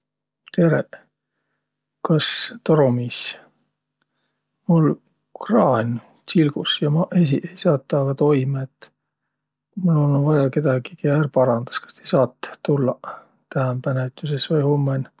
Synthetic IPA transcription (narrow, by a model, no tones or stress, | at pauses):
t̪e̞ɾḛ | kɑst̪oɾomiːs | mul | krɑːn | silɡ̥usjɑmɑʔes̬iʔe̞jsɑːt̪ːɑːɡ̥ɑt̪o̞jmɑet̪ː | mulononvɑjɑke̞d̪̥ɑɡikeærpɑɾɑnd̪ɑ̥skɑ̥st̪ejsɑːt̪ːulːɑ | t̪æɦæmpænet̪ːˑusesvɑjhomːen